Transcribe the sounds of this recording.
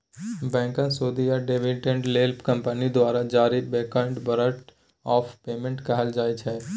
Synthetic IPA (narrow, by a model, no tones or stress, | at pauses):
bɛ̃ːŋkə̃nsoːd̪ijaɖeːʋɪʈẽɳʈleːlpkɐ̃mpənid̪waːɾad͡ʒaːɾibeːkaɪ̃ɳʈbɐɾəʈ | ɔːfʰpeːmẽɳʈkɐɦəld͡ʒaːit͡ʃʰɛː